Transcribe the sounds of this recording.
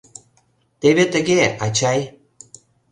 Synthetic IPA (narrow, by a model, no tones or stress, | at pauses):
t̪eβet̪ə̆ɣeɑt͡ɕɑj